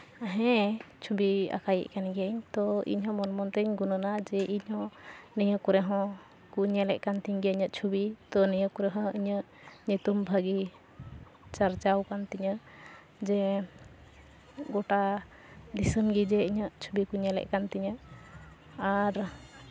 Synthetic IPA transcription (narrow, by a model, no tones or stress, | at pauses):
aɦɛ̃t͡ʃʰubia̰kajə̰ʔkanɡɛɲt̪ɔḭɲɦɔ̃mɔnmɔnt̪ɛɲɡunənad͡ʒɛʔiɲɦɔ̃niɲəkuɾɛɦɔ̃ | kuɲɛlɛʔ̚kant̪iɲɡɛiɲəʔ̪t͡ʃʰubit̪ɔniɲəkɔɾɛɦɔ̃iɲəʔ | ɲit̪umbʱəɡi | t͡ʃaɾt͡ʃawkant̪iɲə | d͡ʒɛ | ɡɔʈa | d̪isəmɡid͡ʒɛiɲəʔt͡ʃʰubikuɲɛlɛ̰ʔkant̪iɲəʔ | aɾ